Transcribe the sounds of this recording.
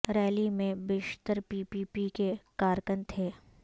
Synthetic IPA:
ɾɛːlimẽbɪʃt̪əɾpiːpiːpikekaːɾkə̃nt̪ʰeː

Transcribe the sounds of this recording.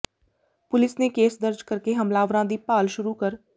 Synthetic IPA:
pʊlɪsneːkeːsd̪əɾd͡ʒkəɾkeːɦəmlaːʋɾãːd̪iːpaːlʃʊɾuːkəɾ

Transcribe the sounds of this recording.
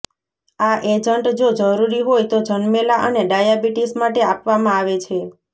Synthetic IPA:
aʔed͡ʒəɳʈd͡ʒod͡ʒəɾuɾiɦojt̪od͡ʒənmelaʔəneɖajabiʈismaʈeapʋamãaʋet͡ʃʰe

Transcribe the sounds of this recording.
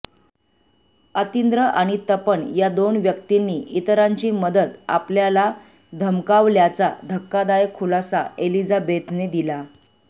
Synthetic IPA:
ət̪ind̪ɾəʔaɽ̃it̪əpəɳjad̪onʋjəkt̪inːiːit̪ɾaɲt͡ɕiːməd̪ət̪a̰pljala | d̪ʱəmkaʋljat͡sad̪ʱəkːad̪ajəkʰːulasaelid͡zabet̪ned̪ila

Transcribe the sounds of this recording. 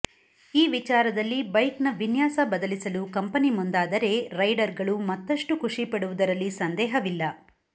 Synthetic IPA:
iːʋit͡ʃaːɾɐd̪ɐlːibɐjknɐʋinjaːsɐbɐd̪ɐlisɐlukɐmpɐnimund̪aːd̪ɐɾe̞ɾɐjɖɐɾɡɐɭumɐt̪ːɐʂʈukʰuʂipɐɽuʋud̪ɐɾɐlːisɐnd̪ɛːɦɐʋilːɐ

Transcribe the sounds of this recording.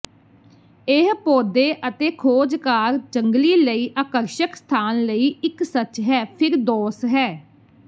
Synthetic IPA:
eɦpoːd̪eːʔət̪eːkʰoːd͡ʒkaːɾd͡ʒəŋɡliːləiːʔaːkəɾʃəkst̪ʰaːnləiːʔɪksət͡ʃɦɛːpʰɪɾd̪ɔːsɦɛː

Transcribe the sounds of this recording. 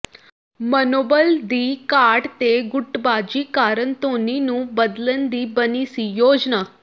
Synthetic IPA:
mənoːbəld̪iːkaɽt̪eɡʊʈbad͡ʑikaːɾənt̪oninũːbəd̪lənd̪iːbənisijoːd͡ʒna

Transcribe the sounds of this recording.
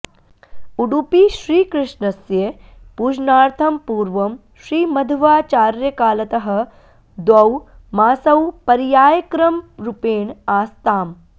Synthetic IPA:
uɽupiʃɾiːkɾɪʂɳɐsje | puːd͡ʒnaːɾt̪ʰɐmpuːɾʋɐm | ʃɾiːmɐd̪ʱʋaːt͡ʃaːɾjɐkaːlɐt̪ɐɦɐ̆ | d̪wɐw | maːsɐwpɐɾjaːjɐkɾɐmɾupeːɳaːst̪aːm

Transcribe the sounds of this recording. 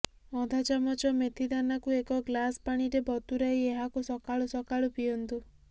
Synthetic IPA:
ɔd̪ʱat͡ʃamɔt͡ʃɔmet̪ʰid̪anakuekɔɡlaspaɽ̃iɾebɔt̪uɾaɦieɦakusɔkaɭusɔkaɭupijɔnt̪u

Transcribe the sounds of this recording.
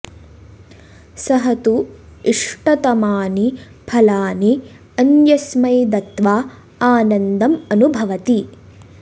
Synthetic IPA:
sɐɦɐt̪uiʂʈɐt̪ɐmaːni | pʰɐlaːni | ɐnjɐsmɐjd̪ɐt̪ʋaː | aːnɐnd̪ɐmɐnubʱɐʋɐt̪i

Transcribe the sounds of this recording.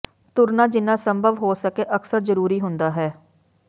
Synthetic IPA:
t̪ʊɾnaːd͡ʒɪnːãːsəmbʱəʋɦoːsəkeːʔəksəɾzəɾuːɾiːɦʊnd̪aːɦɛː

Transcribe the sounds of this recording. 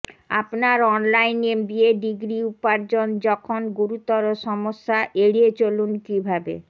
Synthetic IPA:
apnaɾɔnlajnemd̪ieɖiɡɾiupaɾd͡ʑond͡ʑɔkʰonɡuɾut̪ɔɾoʃɔmoʃːaʔeɽiet͡ɕolunkibʱabḛ

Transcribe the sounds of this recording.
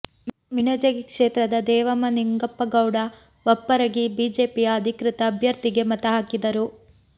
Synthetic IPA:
minɐd͡ʒɐɡikʂeːt̪ɾɐd̪ɐd̪ɛːʋɐmɐniŋɡɐpːɐɡɐwɽɐ | ʋɐpːɐɾɐɡibiːd͡ʒeːpijɐːd̪ʱikɾit̪ɐːbʱjɐɾt̪iɡe̞mɐt̪ɐɦaːkid̪ɐɾu

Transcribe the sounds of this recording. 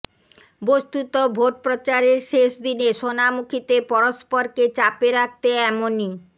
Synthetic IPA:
bost̪ut̪obʱoʈ̚pɾot͡ɕaɾeɾʃeʃd̪ineʃonamukʰit̪epɔɾospoɾket͡ɕapeɾak̚t̪eɛmoni

